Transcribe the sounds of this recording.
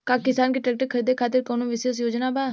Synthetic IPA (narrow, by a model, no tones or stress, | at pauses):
kaːkɪsaːnkiːʈɾɛːk̚ʈəkʰəɾiːd̪ekʰaːt̪ɪɾkoːnõːʋɪsəs̬joːd͡ʒnaːbaː